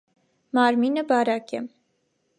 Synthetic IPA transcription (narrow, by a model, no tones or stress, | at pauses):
mɑɾminəbɑɾɑkɛm